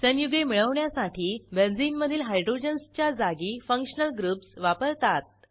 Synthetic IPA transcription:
sənjuɡemiɭəʋɳjasaʈʰiːbend͡zinməd̪ʱiːlɦajɖɾod͡ʑənst͡ɕjad͡zaɡiːfəŋkʂənəlɡɾuːpsʋapəɾt̪at̪̚

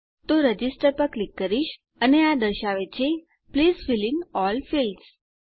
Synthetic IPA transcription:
t̪oɾəd͡ʒisʈəɾpəɾklikːəɾiʃ | ənead̪əɾʃaʋet͡ʃʰe | pliːzfilinɔlfils

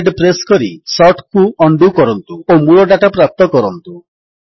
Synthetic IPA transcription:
ɖpɾeskɔɾisɔʈkuɔɳɖukɔɾɔnt̪uomuɭɔɖaʈapɾap̚t̪ɔkɔɾɔnt̪u

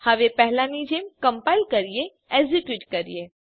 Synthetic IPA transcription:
hɐʋepɛɦlanid͡ʒeːmkɐmpaɪlkɐɾije | ezikjuːʈkɐɾḭje

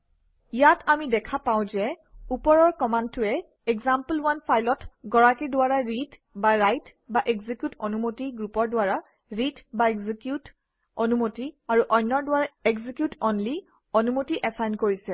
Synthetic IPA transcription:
ijatʰamidɛkʰapaʊ̃zɛ | upɔɹɔɹkɔmantʰʊɛ | ɛɡzampəlwanpʰajlɔtɡɔɹakidʊwaɹaɹitbaɹajtbaʔɛɡzikjutʰɔnumotiɡɹupɔɹdwaɹa | ɹitbaeɡzikjut | onumotiaɹuʔɔjnːɔɹdʊwaɹaɛɡzikjutonli | onumotiʔɛsajnkoɹisɛ

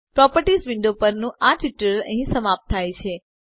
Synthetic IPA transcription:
pɾɔpəɾʈisʋɪɳɖopəɾnũʔaʈiʈəɾələ̰̃ɦĩsəmap̚t̪ʰːajt͡ʃʰe

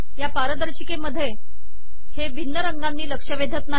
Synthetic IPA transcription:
japaɾəd̪əɾɕikeməd̪ʱːje | heʋinːəɾəŋɡanːiːləkʂəʋed̪ʱət̪na

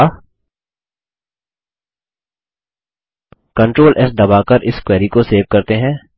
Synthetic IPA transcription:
kɐ̃ɳʈɾoːlʔɛsd̪ɐbaːkɐɾʔɪskwɛːɾikoseːʋkɐɾt̪eɦɛ̃ː

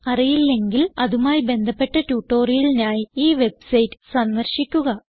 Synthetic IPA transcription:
ɐrijilːe̞ŋɡilɐðumaːjibe̞nd̪ʱɐpːe̞ʈːɐtuːʈːo̞ːrijilinaːjiiːʋe̞bsɐjtːɨ̥sɐnːɐrɕikʲːuɣɐ

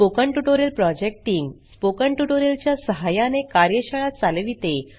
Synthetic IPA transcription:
pokəɳʈuʈoɾəlpɾɔd͡ʑek̚ʈiŋɡspokəɳʈuʈoɾjelt͡ɕjasəɦajanekaɾjəɕəɭat̪̚t͡saleʋit̪e

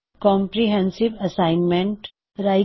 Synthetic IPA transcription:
kɔ̃ːmpɾiɦɛ̃nsɪʋɐsaːɪnmẽɳʈ | ɾaːɪ

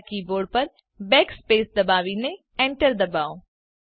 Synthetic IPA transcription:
kiboːɽpɐɾ | bɛːkspeːsd̪ɐbaːʋinẽ | ɛ̃ːɳʈəɾd̪ɐbaːoː

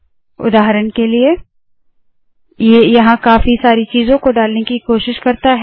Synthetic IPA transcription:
ʊ̰d̪aːɦɾənkelie | jejɐɦãkaːfisaːɾit͡ʃiːzõkoɖaːlnekikoːʃɪʃkɐɾt̪aɦɛ

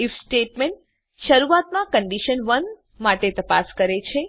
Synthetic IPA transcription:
ifsʈeʈmeɳʈ̚ | ʃəɾuat̪mãkəɳɖiʃənʋən | maʈet̪əpaskəɾet͡ʃʰe

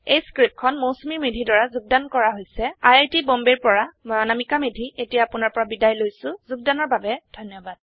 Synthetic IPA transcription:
ejskɹip̚kʰɔnmosmiɹmedʱidɔɹazuɡ̚dankɔɹaɦojsɛajaɹtibɔmbeɹpɔɹamɔanamikamedʱiʔetijaːpʊnaɹpɔɹabidajlojsʊ̃zuɡ̚danɔɹbabɛdʱɔjnjɔbad̥̚

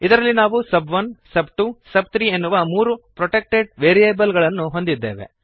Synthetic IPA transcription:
id̪ɐɾɐlːinaːʋusɐbʋɐnsɐbʈuːsɐb̚t̪ʰɾiːe̞nːuʋɐmuːɾupɾoʈek̚ʈeɖ̚ʋeːɾijeːbɐlɡɐɭɐnːuɦo̞nd̪id̪ːe̞̰ːʋe̞̰

